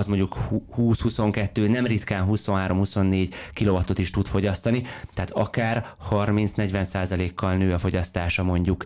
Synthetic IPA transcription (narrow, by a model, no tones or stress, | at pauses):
ɒzmo̞ɲɟukhuːshuso̞ŋkɛt̪ːøːnɛmrit̪kaːnɦuso̞nɦaːɾo̞mhuso̞nːeːɟkilo̞vɒt̪o̞t̪iʃt̪ut̪fo̞ɟɒst̪ɒnit̪ɛɦat̪ɒ̰kaːr | hɒrmintsnɛɟʋɛnsaːzɒleːkʰːɒlnøːɒfo̞ɟɒst̪aːʃɒmo̞ɲɟuk